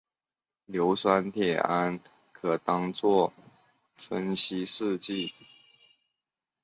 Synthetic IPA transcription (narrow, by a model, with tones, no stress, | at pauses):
ljo˧˥ʊswa˦nt̪ʰjɛ˨˩a˦˥n | kʰɤ˨˩t̪ɑ˥ŋt͡swɔ˥˩ | fə˦˥nɕi˥ʂɻ̩˥˧t͡ɕi˥˩